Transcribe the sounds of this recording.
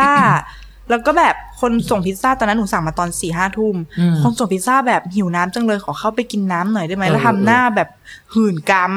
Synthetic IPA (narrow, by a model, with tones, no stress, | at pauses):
aː˥˩ | lɛː˦˥wkɔː˥˩bɛː˨˩p̚kʰo˧nso˨˩ŋpʰi˦˥t̪̚saː˥˩˨n˧˦˥nu˩˦sa˨˩maː˧t̪ɔː˧nsiː˨˩ɦaː˥˩t̪ʰu˥˩mkʰo˧nso˨˩ŋpʰi˦˥t̪̚saː˥˩bɛː˨˩p̚hi˨˩˦wnaː˦˥mt͡ɕa˧ŋlɤː˧jxʰɔː˨˩˦xʰa˥˩wpa˧jki˧nːaː˦˥mnɔ˨˩˦jda˥˩jma˦jlɛː˦˥t̪ʰa˧mnaː˥˩bɛː˨˩p̚hɯː˨˩nkaː˧m